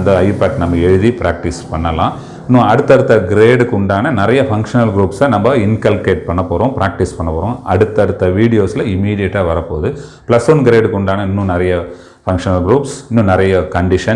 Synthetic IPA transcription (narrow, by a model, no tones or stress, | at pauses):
nd̪ɐɐɪpaːʈnɐmːɐɛɻɯðipɪɾʔaːk̚ʈɪspɐɳːɐlã̰ː | ɪnːũɐɽɯt̪ːɐɽɯt̪ːɐɡɪɾeːɽkʊɳɖaːnɐnɪɾɐjɐfɐŋkʂɐnɐlɡɪɾuːpsɐnɐmbɐɪnkɐlkeːʈ̚pɐɳːɐpːoːɾõːpɪɾaːk̚ʈɪspɐɳːɐpːoːɾõʔɐɽɯt̪ːɐɽɯt̪ːɐʋiːɽɪjoːsɪlɐɪmːiːɽɪjɐʈːaːʋɐɾɐpːoːðɯ | plɐsɔnɡɪɾeːɖkʊɳɖaːnɐɪnːũnɪɾɐjɐ | fɐŋkʂɐnɐlɡɾuːpsɪnːũnɪɾɐjɐkɐɳɖɪʂɐ